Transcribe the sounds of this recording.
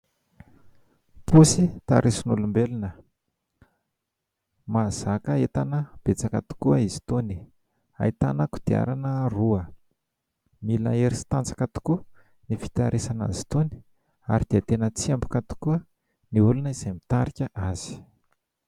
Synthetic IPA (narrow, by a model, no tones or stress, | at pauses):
pusit̪a̰ɾʔesinulumbelunə | maz̥akəet̪anəb̥et͡sakat̪u̥kuəizi̥t̪oni | a̰jt̪anakud̪̥ia̰ɾanəruə | mila̰eɾisi̥t̪ant͡sḁkat̪u̥ku | nifi̥t̪aɾʔesana̰zi̥t̪oni̥ | a̰ɾid̪̥eət̪enət͡siambu̥kat̪u̥kuə | niulunəiz̥amit̪aɾikʲəʔaz̥i̥